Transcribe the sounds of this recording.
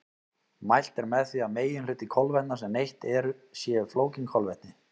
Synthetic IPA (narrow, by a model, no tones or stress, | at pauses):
majl̥t̪ɛɾmɛðθviaðmeːjɪnlʏːt̪ɪkʰɔlvɛt̪nasɛmnejht̪ɛɾʏsjɛːfloːwciŋkʰɔlvɛht̪nɪ